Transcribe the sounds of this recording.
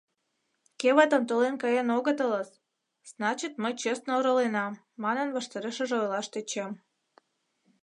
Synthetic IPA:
keβət̪ənt̪olenkɑjenoɣət̪ələs | znɑt͡ɕit̪məjt͡ɕesnooɾəlenɑmːɑnə̆nβəʃt̪eɾeʃəʒeojlɑʃt̪et͡ɕem

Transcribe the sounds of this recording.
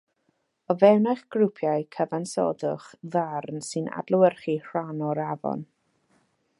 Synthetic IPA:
ɔvɛwnaχɡ̥rupʰjajkʰəvansɔ̰dʊχðarnsɨna̰dlˠʊwərχir̥anɔɾavɔ̰n

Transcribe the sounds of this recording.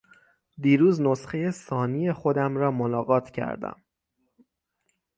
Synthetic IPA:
d̪iːɾuːznosxeje̞sɒːnije̞xo̞d̪æmɾɒːmonɒːɣɒːt̪ʰcʰæ̰ɾd̪æ̰m

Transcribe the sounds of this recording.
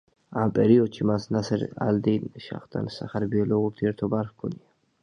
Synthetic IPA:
ampʼɛɾiɔd̪ʃimasnasɛɾa̰ld̪ɛnʃa̰χt̪ʰʼa̰nsa̰χaɾbiɛlɔuɾt̪ʰiɛɾt̪ʰɔbaɾxkʰɔnia

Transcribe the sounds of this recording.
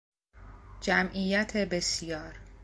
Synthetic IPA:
d͡ʒæmʔijæt̪ʰebesijɒːɾ

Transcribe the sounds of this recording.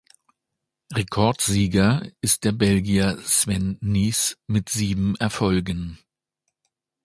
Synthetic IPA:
ʁekʰɔɐtz̥iːɡɐɪst̚d̥eːɐbɛlɡiɐsv̥ɛnːiːsmɪtz̥iːbm̩ɛɐfɔlɡən

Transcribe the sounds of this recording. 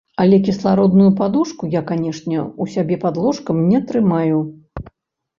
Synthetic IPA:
ɐlʲɛkʲislˠaɾɔd̪nujupad̪uʂkujakanʲɛʂnʲɛusʲabʲɛpad̪lˠɔʂkɐmnʲɛt̪ɾɨmaju

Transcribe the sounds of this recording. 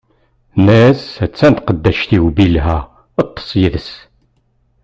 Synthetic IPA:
næsæt͡sːænt̪qəd̪ːæʃt̪iwbilɦæ | ət̪ˤːə̥sˤjiðəs

